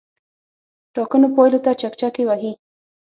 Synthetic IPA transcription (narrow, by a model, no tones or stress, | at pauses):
ʈɑkənopɑjlot̪at͡ʃakt͡ʃakewahi